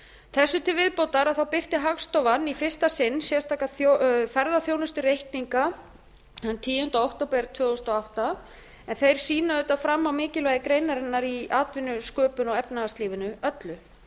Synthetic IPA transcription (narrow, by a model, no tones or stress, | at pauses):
θɛsːʏt̪ʰɪlvɪðpowt̪aɾaðθawpɪr̥t̪ɪɦaɣst̪ɔvanːifɪr̥st̪asɪnːsjɛst̪ʰaːkaθofɛɾðaθjownʏst̪ʏrejhkniŋka | hant̪ʰiːʏnt̪aowht̪opɾɛɾt̪ʰvʏːɔst̪ɔawht̪a | ɛnθejɾ̥siːnaðʏt̪afɾamːawmɪːcɪlvɛjðɪkɾejnaɾɪnːaɾiaːt̪vɪnʏskœːpʏnɔɣɛpnaast̪liːvɪnʏœt̪lʏ